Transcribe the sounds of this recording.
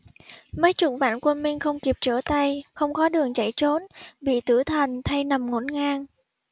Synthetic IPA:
mə˨˦jt͡ɕʊ̰˧˩ŋ͡m̚va̰ː˧˨nkwə˧nmi˧ŋ̟xə˧wŋ͡mki˨˩p̚t͡ɕəː˧˩t̪a˧jxə˧wŋ͡mkɔ˨˦ɗɨ˨˩əŋt͡ɕa˧˩jt͡ɕo˨˦nɓḭ˧˨t̪ɨ˧˩t̪ʰə˨˩nt̪ʰa˧jna˨˩mŋo˧˩nŋaː˧ŋ

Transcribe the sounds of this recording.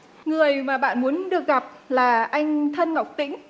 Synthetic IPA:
ŋɨ˨˩əjmaː˨˩ɓa̰ː˧˨nmu˨˦ənɗɨ˨˩ək̚ɣa˨˩p̚laː˨˩ʔa˧jŋ̟t̪ʰə˧nŋa˨˩wk͡p̚t̪ḭ̈˧˥ŋ̟

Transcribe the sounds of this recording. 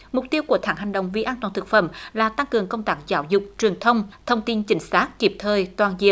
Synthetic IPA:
mʊ˨˩k͡p̚t̪i˧əwku˧˩ət̪ʰaː˧˩ŋɦha˨˩jŋ̟ɗə̰˧˨wŋ͡mvḭ˧˨ʔaː˧nt̪waː˨˩nt̪ʰɨ˨˩k̚fə̰˧˩mlaː˨˩t̪a˧ŋkɨ˨˩əŋkə˧wŋ͡mt̪aː˦˥k̚zaː˧˦wzʊ˨˩k͡p̚t͡ɕwi˨˩əŋt̪ʰə˧wŋ͡mt̪ʰə˧wŋ͡mt̪i˧nt͡ɕï˧˩˦ŋ̟saː˦˥t̚ki˨˧˩p̚t̪ʰəː˨˩jt̪waː˨˩nzḭ˧˨ə

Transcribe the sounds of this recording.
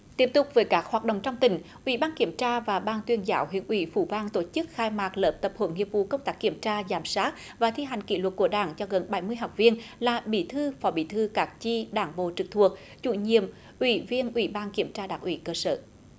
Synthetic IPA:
t̪i˦˥əp̚t̪ʊ˨˩k͡p̚vəː˨˦jkaː˦˥k̚haː˨˩t̚ɗə̰˧˨wŋ͡mt͡ɕɔ˧wŋ͡mt̪ï˨˩ŋ̟ʔwḭ˧˩˦ɓaː˧nki˧˩əmt͡ɕaː˧vaː˨˩ɓaː˧nt̪wi˧ənzaː˨˦wɦwḭ˧˨ənʔwḭ˧˩fṵ˧˩vaː˧nt̪o˧˩t͡ɕɨ˦˥k̚xaː˧jmaː˨˩k̚ləː˨˦˩p̚t̪ə˨˩p̚hə̰˧˩˦nŋi˨˩əp̚vṵ˧˨kə˧wŋ͡mt̪aː˦˥k̚ːi˧˩əmt͡ɕaː˧zaː˧˨˩msaː˦˥t̚ | vaː˨˩t̪ʰi˧ɦa˨˩jŋ̟kḭ˧˥lwə˨˩t̚ku˧˩əɗa̰ː˧˩ŋt͡ɕɔ˧ɣə˨˩nɓa˧˩jmɨ˧əjɦa˨˩wk͡p̚vi˧ənlaː˨˩ɓḭ˧˩t̪ʰɨ˧fɔ˨˦ɓḭ˧˩t̪ʰɨ˧kaː˨˦˥k̚t͡ɕi˧ɗaː˧˩ŋɓo̰˧˨t͡ɕɨ˨˩k̚t̪ʰu˨˩ək̚ | t͡ɕṵ˧˩ɲḭ˧˨əm | ʔwḭ˧˩vi˧ənʔwi˧˩ɓaː˧nki˧˩əmt͡ɕaː˧ɗaː˧˩ŋʔwḭ˧˦kəː˧sə̰ː˧˩

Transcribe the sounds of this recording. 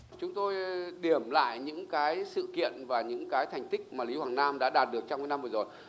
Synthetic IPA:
t͡ɕʊ˨˦ŋ͡mt̪o˧jɗi˨˩əmla̰ː˧˨jɲɨ̰˧˥ŋkaː˨˦jsɨ̰˧˨kḭ˧˨ənvaː˨˩ɲɨ̰˧˥ŋkaː˨˦jt̪ʰɛ˨˩jŋ̟t̪ï˦˥k̚maː˨˩li˨˦hwaː˨˩ŋnaː˧mɗa̰ː˧˥ɗaː˨˩t̚ɗɨ˨˩ək̚t͡ɕɔ˧wŋː˧˦na˧mvɨː˨˩zo˨˩j

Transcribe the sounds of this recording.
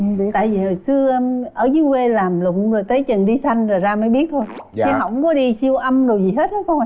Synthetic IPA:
t̪a̰ː˧˨jvi˨˩ho˨˩jsɨ˧ə˧mʔəː˧˩zi˨˦we˧laː˨˩mlʊ̰˧˨ŋ͡mzo˨˩t̪ə˨˦jt͡ɕə˨˩nɗi˧sa˧jŋ̟za˨˩zaː˧məː˨˦jɓi˦˥ət̚t̪ʰo˧ji˧˦ɦwŋ͡mkɔ˨˦ɗi˧si˧əwʔə˧mɗo˨˩wzi˨˩ɦe˨˦˥t̚həː˨˦kʰo˧

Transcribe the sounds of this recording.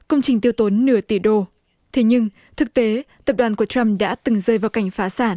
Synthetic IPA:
kə˧wŋ͡mt͡ɕï˨˩ŋ̟t̪i˧əwt̪o˨˦nːɨ˧˩ət̪i˧˩ɗo˧˩ | t̪ʰe˨˦ɲɨ˧ŋ | t̪ʰɨ˨˩k̚t̪e˨˦t̪ə˨˩p̚ɗwaː˨˩nku˧˩ət͡ɕa˧mɗa̰ː˧˥t̪ɨ˨˩ŋzəː˧˩jvaː˨˩wka˧˩jŋ̟faː˨˦saː˧˩n

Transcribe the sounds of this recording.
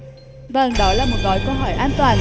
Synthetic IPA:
və˨˩ŋɗɔ̰˧˦laː˨˩mo˨˩t̚ɣɔ̰˧˨jkə˧wɦɔ̰˧˩jʔaː˧nt̪waː˨˩n

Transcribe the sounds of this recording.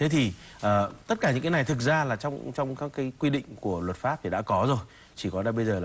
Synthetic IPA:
t̪ʰe˨˦t̪ʰi˨˩ | ʔəː˨˩t̪ə˦˥t̚kaː˧˩ɲɨ̰˧˥ŋaː˨˦jna˨˩jt̪ʰɨ˨˩t̚zaː˧laː˨˩t͡ɕɔ˧wŋ͡mt͡ɕɔ˧wŋ͡mkaː˦˥kːaː˨˦jkwi˧ɗḭ̈˧˨ŋ̟ku˧˩əlwə˨˩t̚faː˦˥p̚t̪ʰi˨˩ɗa̰ː˧˥kɔ˨˦zo˨˩j | t͡ɕi˧˩kɔ˨˦ɗaː˧˩ɓə˧jzəː˨˩l

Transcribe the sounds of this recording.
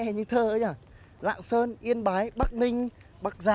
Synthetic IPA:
ɛ˧˩ɲɨ˧t̪ʰəː˧ʔə˧˦ɲaː˨˩ | la̰ː˧˨ŋsəː˧nʔi˧ənɓaː˨˦jɓa˦˥k̚nï˧ŋ̟ | ɓaː˦˥k̚zaː˨

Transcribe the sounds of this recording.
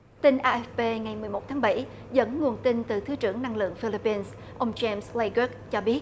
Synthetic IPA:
t̪i˧nʔaː˧ʔɛ˦˥fpe˧ŋa˨˩jmɨ˨˩əjmo˨˩t̪̚ʰaː˨˦ŋɓa˧˩j | zə̰˧˥nŋu˨˩ənt̪i˧nt̪ɨ˨˩t̪ʰɨ˨˦t͡ɕɨ˧˩əŋna˧ŋlɨ̰˧˨əŋfi˧li˧˥pːi˧ns | ʔə˧wŋ͡mt͡ɕɛ˧msle˧ɡi˦˥k̚t͡ɕɔ˧ɓi˦˥ət̚

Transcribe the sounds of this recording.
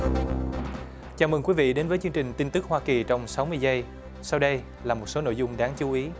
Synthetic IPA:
t͡ɕaː˧˩mɨ˨˩ŋkwi˨˦vḭ˧˨ɗe˨˦nvəː˨˦jt͡ɕɨ˧əŋt͡ɕï˨˩ŋ̟t̪i˧nt̪ɨ˦˥k̚hwaː˧ki˨˩t͡ɕɔ˧wŋ͡msa˨˦wmɨ˧əjzə˧j | sa˧wɗə˧j | laː˨˩mo˨˩t̚so˨˦no̰˧˨jzʊ˧ŋ͡mɗaː˨˦ŋt͡ɕu˨˦ʔi˨˦

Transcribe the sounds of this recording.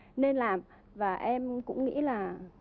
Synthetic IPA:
ne˧nlaː˨˩m | vaː˨˩ʔɛ˧mkʊ̰˧˥ŋ͡mŋḭ˧˥laː˨˩

